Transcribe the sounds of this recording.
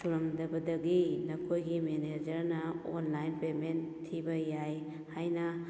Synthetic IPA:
suɾɐmdɐbɐdɐɡinɐkʰojɡimened͡ʒɐɾnɐonlajnpementʰːibɐjaj | hajnɐ

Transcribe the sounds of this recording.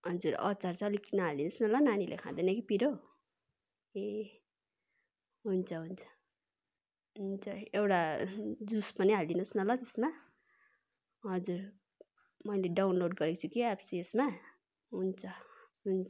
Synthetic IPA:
ɦʌd͡zurʌ̰t͡sart͡sʌʌlikinʌɦald̪inʌsnʌlʌnanilʔḛkʰã̰d̪ʌnʌkipiɾo | e | ɦunt͡sʰʌɦunt͡sʰʌ̥ | ɦunt͡sʰʌewɽad͡zuspʌniɦald̪inusnʌlʌt̪esma | ɦʌd͡zur | mʌjleɖawnloɖɡʌɾekt͡sʰukiabsiesma | ɦunt͡sʰʌ | ɦun

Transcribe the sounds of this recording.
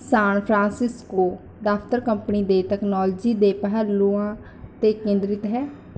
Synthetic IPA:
saːnpʰɾãːnsɪskoː | ɖaːpʰt̪əɾkəmpniːd̪eːt̪ɛːknɔːld͡ʒiːd̪eːpəɦəlːuãː | t̪eːkẽːnd̪ɾɪt̪ɦɛː

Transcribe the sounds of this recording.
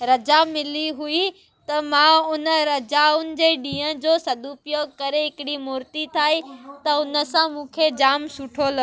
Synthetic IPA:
ɾɐd͡ʑamɪliɦui | t̪ɐmãʊnə̆ɾɐd͡ʑaʊnɪ̆d͡ʑeːɗĩːɦə̃d͡ʑoːsɐd̪upjoːɡkɐɾeɦɪkɪɽimʊːɾt̪it̪ʰaːɦit̪ɐʊnə̆sãmũːkʰed͡ʑaːmsʊʈʰolɐ

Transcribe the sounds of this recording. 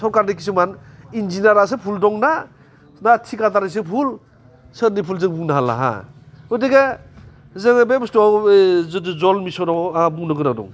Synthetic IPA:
sɔɾkaɾnikis̬ɯmanind͡ʒinaɾas̬ɯpʰuldɔŋna | natʰikataɾas̬ɯpʰul | sənipʰulzɯŋbuŋnaɦalːa̰ɦa̰udeɡa | zɯŋbemstɔawdzɔlmisɔdɔŋabuŋnɯɡɯnadɔ̰ŋ

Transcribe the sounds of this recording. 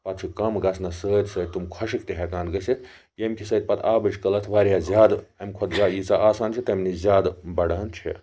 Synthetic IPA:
pɐt̪̚t͡ʃʰikɐmɡɐsʰnɐsəːt̪səːd̪̚ʲt̪umkʰɐʃikt̪ʲiɦekaːnd̪ɡɐsit̪ʰ | jɐmkʰisəːt̪̚pɐt̪ʰaːbɨt͡ʃkɐlɐt̪ʰʋaːɾjaːzʲjaːd̪ | ɐmkʰɐt̪zaːd̪jit͡saʔaːsaːnt͡ʃʰit̪ɐmnizʲaːd̪bɐɽaːnt͡ʃʰḭ

